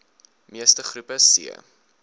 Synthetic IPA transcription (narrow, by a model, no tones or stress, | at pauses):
miəstəχrupəsḭə